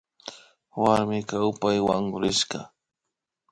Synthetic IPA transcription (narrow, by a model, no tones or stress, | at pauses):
waɾmɪkawpajwaŋʊɾɪʃɢɑ